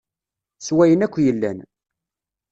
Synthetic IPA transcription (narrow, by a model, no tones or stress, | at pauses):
swæjənækʷːjəlːæn